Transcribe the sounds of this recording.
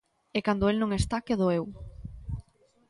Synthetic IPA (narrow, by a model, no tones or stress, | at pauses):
ekand̪ʊelnõŋest̪akeðoew